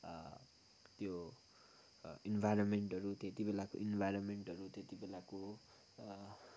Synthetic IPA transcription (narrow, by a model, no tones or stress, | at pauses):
t̪jo | inbʱajɾʌnmeɳʈʌɾut̪et̪ibelako̰ʔinbʱajɾonmeɳʈʌɾut̪et̪ibelako